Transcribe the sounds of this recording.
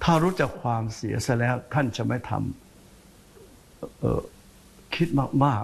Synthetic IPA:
t̪ʰaː˥˩ɾuː˦˥t͡ɕa˨˩kʰwaː˧msi˩˦ɐsa˥˧˩lɛː˦˥wt̪ʰa˥˩nt͡ɕa˨˩ma˥˩jt̪ʰa̰˧m | ʔʔɤ̰ː˨˩ | kʰi˦˥t̪̚maː˥˩k̚maː˥˩k̚

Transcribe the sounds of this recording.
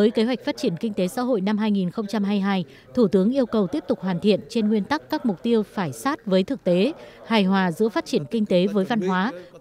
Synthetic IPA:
vəː˨˦jke˨˦ɦwa˨˩k̟̚faː˦˥t̚t͡ɕi˧˩ənkï˧ŋ̟t̪e˨˦sa̰ː˧˥ɦo̰˧˨jna˧mɦaː˧jŋi˨˩nxə˧wŋ͡mt͡ɕa˧mɦaː˧jɦaː˧j | t̪ʰu˧˩t̪ɨ˨˦əŋʔi˧əwkə˨˩wt̪i˦˥əp̚t̪ʊ˨˩k͡p̚hwaː˨˩nt̪ʰḭ˧˨ənt͡ɕe˧nŋwi˧ənt̪a˦˥kːaː˦˥k̚mʊ˨˩k͡p̚t̪i˧əwfaː˧˩jsaː˦˥t̚vəː˨˦jt̪ʰɨ˨˩k̚t̪e˨˦haː˨˩jhwaː˨˩zɨ̰˧˥əfaː˦˥t̚t͡ɕi˧˩ənkï˧ŋ̟t̪e˨˦vəː˨˦jva˧nɦwaː˨˦

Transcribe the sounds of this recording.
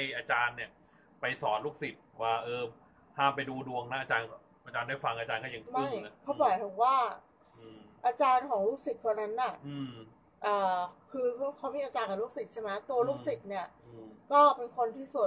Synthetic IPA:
ha˥jʔaː˧t͡ɕaː˧nːi˥˩ə | pa˧jsɔː˩˦nluː˥˩k̚si˨˩t̪̚waː˥˩ʔɤː˧ | haː˥˩mpa˧jduː˧du˧əŋna˦˥ʔaː˧t͡ɕaː˧nk | ʔaː˧t͡ɕaː˧ndaː˥˩jfa˧ŋʔaː˧t͡ɕaː˧nkʰɔ˥˩ja˨˧˦ŋt̪ma˦˥˩jna˦˥kʰɔ˦˥˩bɔː˨˩jt̪ʰo˨˩waː˥˩ | ʔaː˧t͡ɕaː˧nkʰɔː˩˦ŋluː˥˩k̚si˨˩t̪̚ʰɾa˧na˦˥nːa˥˩ʔɯː˧ | ʔɤː˨˩kʰɯː˧˥kʰɔ˧˦˥miː˧ʔaː˧t͡ɕaː˧nka˨˩lu˥˩k̚si˨˩t̪̚t͡ɕʰa˥˩ma˦˥t̪u˧ɐluː˥˩k̚si˨˩t̪̚ni˥˩ɐkɔː˥˩pe˧nkʰo˧nt̪ʰiː˥˩su˨˩

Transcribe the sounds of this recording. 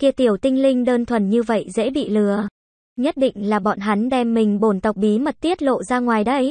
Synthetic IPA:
ki˧ət̪i˨˩əwt̪ï˧ŋ̟lï˧ŋ̟ɗəː˧nt̪ʰwə˨˩nɲɨ˧və̰˧˨jzḛ˧˥ɓḭ˧˨lɨ˨˩ə | ɲə˦˥t̚ɗḭ̈˧˨ŋ̟laː˨˩ɓɔ̰˧˨nɦa˨˦nɗɛ˧˩mːï˨˩ŋ̟ɓo˧˩nt̪ə˨˩wk͡p̚ɓi˨˦mə˨˩t̚t̪i˦˥ət̚lo̰˧˨zaː˧ŋwaː˨˩jɗə˧j

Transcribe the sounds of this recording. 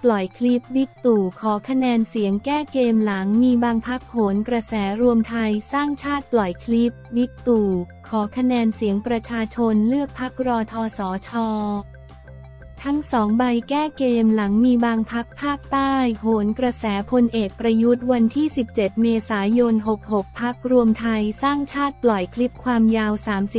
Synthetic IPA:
plɔ˨˩jkʰli˦˥p̚wi˦˥k̚t̪uː˨˩kʰɔː˩˦kʰa˧nɛː˧nsi˩˦əŋkɛː˥˩keː˧mla˩˦ŋmiː˧baː˧ŋpʰa˦˥k̚hoː˩˦nkɾa˧sɛː˩˦ɾu˧əmt̪ʰa˧jsaː˥˩ŋt͡ɕʰaː˥˩t̪̚plɔ˨˩jkʰli˦˥p̚wi˦˥k̚t̪uː˨˩ | kʰɔː˩˦kʰa˧nɛː˧nsi˩˦əŋpɾa˧t͡ɕʰaː˧t͡ɕʰo˧nlɯ˥˩ək̚pʰa˦˥k̚ɾɔː˧t̪ʰɔː˧sɔː˩˦t͡ɕʰɔː˧ | t̪ʰa˦˥ŋsɔː˩˦ŋba˧jkɛː˥˩keː˧mla˩˦ŋmiː˧baː˧ŋpʰa˦˥k̚pʰaː˥˩k̚t̪aː˥˩jɦoː˩˦nkɾa˧sɛː˩˦pʰo˧nʔeː˨˩k̚pɾa˧ju˦˥t̪̚wa˧nt̪ʰiː˥˩si˨˩p̚t͡ɕe˨˩t̪̚meː˧saː˩˦jo˧nɦo˨˩k̚ho˨˩k̚pʰːa˦˥k̚ɾu˧əmt̪ʰa˧jsaː˥˩ŋt͡ɕʰaː˥˩t̪̚plɔ˨˩jkʰli˦˥p̚kʰwaː˧mjaː˧wsaː˩˦msi˨˩

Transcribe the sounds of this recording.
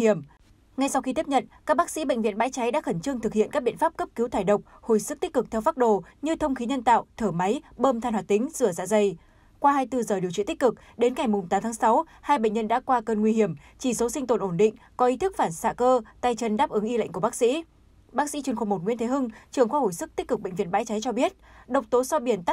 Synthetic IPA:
i˧˩əm | ŋa˧jsa˧wxi˧t̪i˦˥əp̚ɲə̰˧˨nkaː˦˥k̚ɓaː˦˥k̚sḭ˧˥ɓə̰˧˨ŋ̟vḭ˧˨ənɓa̰ː˧˥jt͡ɕa˨˦jɗa̰ː˧˥xə˧˩nt͡ɕɨ˧əŋt̪ʰɨ˨˩k̚hḭ˧˨ənka˦˥k̚ɓḭ˧˨ənfaː˦˥p̚kə˦˥p̚ki˨˦wt̪ʰaː˧˩jɗə˨˩wk͡p̚ho˧˩jsɨ˦˥k̚t̪i˦˥k̟̚kɨ˨˩k̚t̪ʰɛ˧wfaː˦˥t̚ɗo˧˨˩ɲɨ˧t̪ʰə˧wŋ͡mxi˨˦ɲə˧nt̪a̰ː˧˨wʔt̪ʰəː˧˩ma˨˦jɓəː˧mt̪ʰaː˧˩nhwaː˨˩t̪ï˨˦ŋ̟zɨ˧˩əza̰ː˧˨zə˧˩j | kwaː˧haː˧jt̪ɨ˧zəː˨˩i˨˩əwt͡ɕḭ˧˨t̪i˦˥k̚ʲkɨ˨˩k̚ | ɗe˨˦nŋa˨˩jmʊ˨˩ŋ͡mt̪aː˨˦mt̪ʰaː˨˦sa˨˦w | haː˧jɓḛ˧˨ŋ̟ɲə˧nɗa̰ː˧˥kwaː˧kə˧nŋwi˧hi˧˩əm | t͡ɕi˧˩so˨˦sï˧ŋ̟t̪o˨˩nʔo˧˩nɗḭ̈˧˨ŋ̟ | kɔ˨˦ʔi˨˦t̪ʰɨ˦˥k̚faː˧˩nsa̰ː˧˨kəː˧t̪aː˧jt͡ɕə˧nɗaː˦˥p̚ʔɨ˨˦ŋʔi˧lə̰˧˨ŋku˧˩ɓaː˦˥k̚sḭ˧˥ | ɓa˦˥k̚sḭ˧˥t͡ɕi˧˩ənxo˨˩mo˨˩t̚ŋḭ˧˥nt̪ʰɦɨ˧ŋt͡ɕɨ˨˩əŋxwaː˧ho˧˩jsɨ˦˥k̚t̪i˦˥k̟̚kɨ˨˩k̚ɓḛ˧˨ŋvḭ˧˨ənɓa̰ː˧˥jt͡ɕa˨˦jt͡ɕɔ˧ɓi˦˥ət̚ɗə˨˩wk͡p̚t̪o˨˦sɔ˧ɓi˧˩ənt̪a˦˥

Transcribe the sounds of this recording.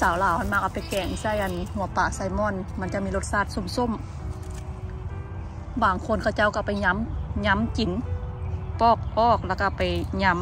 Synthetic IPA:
saː˨˦wlaː˨˦whʰa˧˥˨nmaː˧k̚a˧˩pa˨jkɛː˨˩ŋsa˧˩˨jʔa˨nhu˧˦ɐpaː˧˩sa˧˩jmɔː˧˥˨nma˧˥˨nt͡ɕa˧˨ʔmiː˧˥˨lo˧˩t̪̚saː˧˩˨t̪̚so˧˦˨mso˧˥˨m | baː˨˩ŋkʰo˧˥˨nkʰa˧˩˨wt͡ɕa˧˥˨wka˧˩pa˨jɲa˧˥mɲa˧˥˨mt͡ɕi˨˩˦n | pɔː˧˩k̚ʔɔː˧˩k̚laː˧˩ka˧˩pa˨˩jɲa˧˥m

